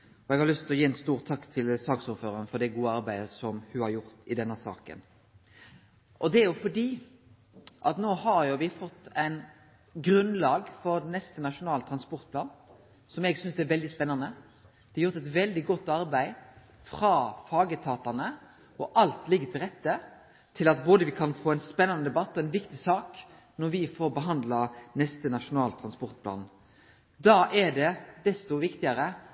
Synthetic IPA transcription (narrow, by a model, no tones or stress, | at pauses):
ɔɛɡhɑɾlʏst̪ʰlɔjiːɛnst̪uːɾt̪ʰɑkːt̪ʰɪlsɑːksuːɾføːɾɑnəfɔɾd̪ɛɡuːəɑɾbæɪd̪əsɔmhʉhɑɾjʊɾt̪ɪd̪ɛnːəsɑ̰ːkə̰n | ʔɔd̪ɛæɾjʊfɔɖiː | ʔɑt̪noːhɑɾjʊʋɪfɔt̪ːæɪn | ɡɾʉnlɑːɡfɔɾnɛst̪ənɑʂʊnɑːlt̪ʰɾɑnspɔɾt̪̚pʰlɑːn | sɔmɛɡsʏnsæɾʋɛld̪ɪspɛnːɑnə | d̪̥ɛɑjʊɾt̪ɛt̪ʋɛld̪ɪɡɔt̪ːɑɾbæɪ | fɾɑːfɑːɡət̪ʰɑːt̪ɑnə | ɔʔɑlt̪lɪɡːət̪ʰɪlɾʁɛt̪ːə | t̪ʰɪlɑt̪boːd̪əʋɪkʰɑnfoːɛɪnspɛnːɑnəd̪ɛbɑt̪ːɔɛnʋɪkt̪ɪsɑːk | nɔɾʋɪfoːʁbəɦɑnd̪lɑnɛst̪ənɑʂʊnɑːlt̪ʰʁɑnspɔɾt̪̚pʰlɑ̰ːn | d̪ɑːʔɛɖɛd̪ɛst̪ɔʋɪkt̪ɪɑɾə